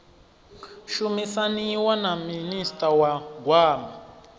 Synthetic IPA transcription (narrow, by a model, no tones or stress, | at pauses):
ʃumisaniwanaministʼawaɡwaːma